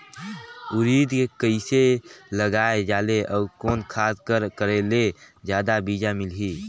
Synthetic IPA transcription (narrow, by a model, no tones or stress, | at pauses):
ʊɾiːd̪kekəɪseləɡaːed͡ʒaːleʔəːkoːnkʰaːskəɾkəɾeled͡ʒjaːd̪abiːd͡ʒamɪlɦi